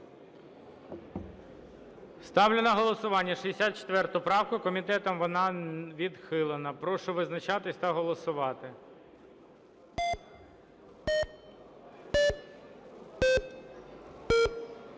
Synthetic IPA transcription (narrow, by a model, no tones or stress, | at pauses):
st̪ɑwlʲɪnɐɦɔlˠɔsʊʋɑnʲːɐʃiɦesʲat̪̚t͡ʃe̥t̪ʋɛrt̪ʊpɾɑwkʊkɔmʲit̪ɛt̪ɔmʋɔnɑʋʲid̪xɪlˠenɐpɾɔʃʊʋɪznɐt͡ʃɑt̪ɪsʲt̪ɐɦɔlˠɔsʊʋɑt̪ɪ